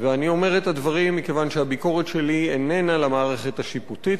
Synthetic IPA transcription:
veanio̞me̞ʁet̪advaʁimːike̞vanʃeabiko̞ʁet̪ʃelienenalamaːʁeχe̞t̪haʃiputit

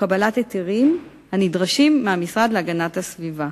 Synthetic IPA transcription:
kabalatet̪iʁim | hanidʁaʃimːeamisʁad̪leaɡanathasviva

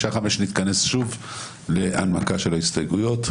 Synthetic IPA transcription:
ʃaχame̞ʃnit̪kane̞sʃuv | le̞ʔa̰nmakaʃelaist̪ajɡujo̞t̪

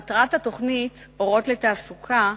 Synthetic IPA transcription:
tʁathato̞χnit̪o̞ʁo̞tletaːsukʰa

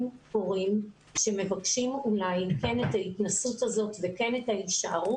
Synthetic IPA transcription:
mpoʁim | ʃe̞me̞vakʃimulajkenetaitnasutazo̞tveke̞ne̞thaiʃaaʁu

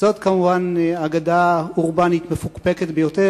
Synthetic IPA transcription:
zo̞t̪kamuvanaɡadauʁbanit̪mefukpeket̪bejote

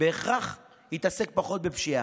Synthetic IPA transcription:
beːχʁaχ | hit̪ase̞k̚paχo̞t̪̚bepʃia̰

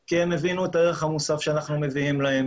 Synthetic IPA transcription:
kiemːevinuetaeʁeχhamusafʃeanaχnume̞viimlahem

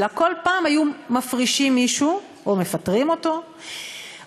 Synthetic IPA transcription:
lakolpaːmajumafʁiʃimːiʃu | ʔome̞fatʁimo̞to̞

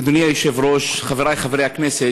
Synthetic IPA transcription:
d̪oniajiʃɛvɾoʃχaveɾajχavɾejaknɛsɛ

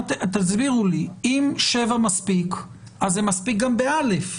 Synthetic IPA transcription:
tt̪azbiʁuliimʃevamaspik | ʔazːemaspik̚ɡambealef

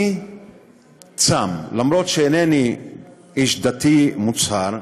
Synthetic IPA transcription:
i | t͡samlamɾo̞t̪ʃeeneni | iʃd̪at̪imut͡saɾ

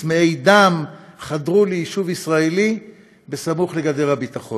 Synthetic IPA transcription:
meejd̪amχad̪ʁulejiʃuvisʁaeli | besamuχleɡad̪elhabit̪aχo̞

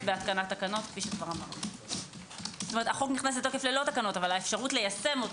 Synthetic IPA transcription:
beatkanat̪ːakano̞t̪kfiʃekvaʁamaʁnu | zo̥tomeetaχo̞kniχnas̬et̪ːo̞keflelo̞takano̞tavalaefʃaʁutlejase̞mo̞t

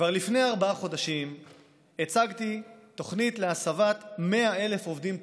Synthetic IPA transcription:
kvaʁlifne̞jaʁbaaχo̞d̪aʃim | et͡saɡt̪it̪o̞χnit̪leasavat̪me̞ae̞le̞fo̞vd̪im

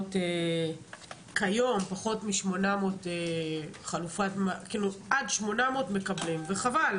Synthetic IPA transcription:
te | kajo̞mpaχo̞tmiʃmo̞namoteχalufatmakiluʔadʃmo̞nameotme̞kablimveχaval

